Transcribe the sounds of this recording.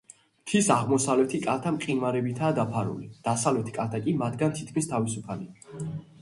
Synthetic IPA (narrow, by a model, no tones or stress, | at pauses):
t̪ʰisaʁmɔsavlɛt̪ʰikʼalt̪ʰamqʼinvaɾɛbit̪ʰaːd̪apʰaɾṵlid̪̥asavlɛt̪ʰkʼalt̪ʰakʼimat̪ʰɡant̪ʰit̪̚ʰkʰmist̪ʰavisupʰalḭa